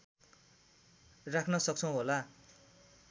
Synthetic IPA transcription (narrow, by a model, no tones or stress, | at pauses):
rakʰnʌsʌk̚t͡sʰʌw̃ɦola